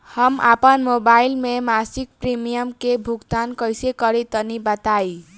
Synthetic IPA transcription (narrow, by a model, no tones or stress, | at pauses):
hʌma̰pənmobailmemasik̚pɾimijəmkebʱuɡd̪ankʌjsekʌɾit̪ʌnibat̪aj